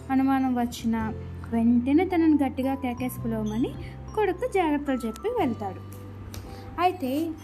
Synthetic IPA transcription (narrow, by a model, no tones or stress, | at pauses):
ɐnumaːnɐmʋɐt͡ʃːinɐ | ʋe̞ɳʈenet̪ɐnɐnuɡɐʈːiɡaːkeːkeːspulɐːmɐni | koɽukːud͡ʒaːɾɐp̚ʈ̪ɐlt͡ʃepːiʋeɭɐt̪aːɽu | ɐjit̪e̞ː